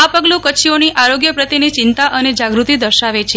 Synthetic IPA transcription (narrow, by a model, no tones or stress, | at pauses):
apəɡlũkəʃʰioniʔaɾoɡjəpɾət̪init͡ʃɪnt̪aʔəned͡ʒaɡɾut̪id̪əɾʃaʋet͡ʃʰe